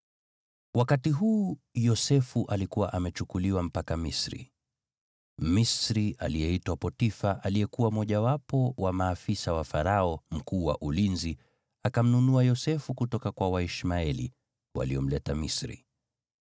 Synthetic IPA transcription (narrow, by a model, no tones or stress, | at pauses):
wakatiɦuːjɔsɛfuʔalikuwaʔamɛt͡ʃukuliwam̩pakamisɾḭ | misɾiʔalijɛitwapɔtifaʔalijɛkuwamɔʄawapɔwamaːfisawafaɾaɔm̩kuːwa̰ʔulinzi | akam̩nunuajɔsɛfukutɔkakwawaiʃmaɛlḭ | wa̰liɔm̩lɛtamisɾḭ